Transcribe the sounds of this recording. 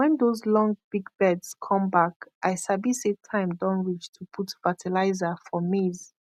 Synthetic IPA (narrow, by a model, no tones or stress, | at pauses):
wɛ̃ndozlɔ̃ŋɡb̥iɡbɛdz̥kʰɔ̃mbakʔaɪsabisetʰãɪ̃mdɔ̃nɹit͡ʃtʰupʰutfatʰilaɪzafɔmiz